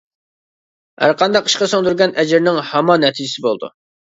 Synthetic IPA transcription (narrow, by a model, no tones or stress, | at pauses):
hæ̰ɾqʰɑnd̪ɑqʰːi̥ʃqɑsoŋd̪yɾɡʲɛnʔɛd͡ʒɪɾnɪŋhɑmɑnɛt̪ʰid͡ʒɪsɪbolˠd̪ṵ